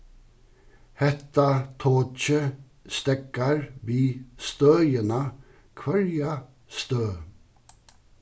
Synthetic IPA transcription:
hɛt̪ɑt̪ʰoːt͡ʃə | st̪ɛkəɾbiːst̪øːjənə | kʰʋœljɑ | st̪øː

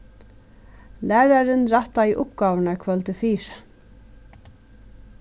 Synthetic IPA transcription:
læːɾɑɾənɾɑt̪aiːʔʊpɡɑːʋənæɹkʰvœlt̪əfiːɾ

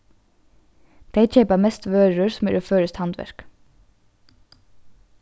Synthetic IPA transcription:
d̪̥eɪt͡ʃʰɛːpamɛst̪ʋøːɹʊɹsʊmɛ̰ɹʔɔføːɹəst̪hɑnt̪ʋɛ̰ɹ̥k

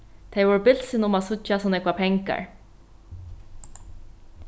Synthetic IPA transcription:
t̪ʰeɪvɔɹbɪl̥sɪnʊmasʊt͡ʃasɔnɛkvapʰɛŋka̰ɹ

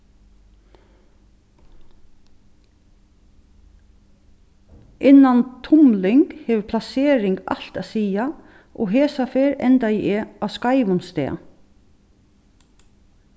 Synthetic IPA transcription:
ʔɪnːant̪ʰʊmlɪŋkhɛːʋʏpʰlaseːɾɪŋka̰l̥t̪asiːa | ʔɔ̰ɦeːsafeːɹɛ̰nt̪ajɪʔɛːaskajʋʊmst̪ɛ̰ː

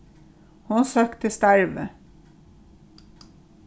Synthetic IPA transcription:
hʊnsœkt̪əst̪æɹʋə

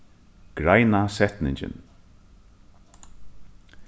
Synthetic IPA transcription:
ɡ̥ɹajnasɛt̪nɪ̰ɲt͡ʃɪ̰n

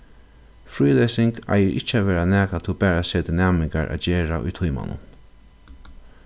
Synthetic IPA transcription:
fɹiːleːsɪŋka̰jəɾʔɪ̰t͡ʃəaʋeːɹanæːkat̪ʰɪlbæːɾaseːt̪ənæːmɪŋka̰ɹʔæ̰ːd͡ʒeːɹaʔʊ̰jt̪ʰujma̰nʊ̰n

